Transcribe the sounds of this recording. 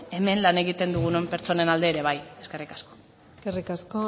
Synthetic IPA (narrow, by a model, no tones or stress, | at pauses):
e̞me̞nlane̞ɣit̪e̞nd̪uɣ̞uno̞mpe̞ɾt͡ʃo̞ne̞nald̪eːɾe̞β̞aje̞ske̞rikasko̞̥ | skerikasko